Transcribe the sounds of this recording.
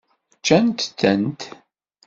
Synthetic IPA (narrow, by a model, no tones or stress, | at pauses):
t͡ʃːænt̪θənt̪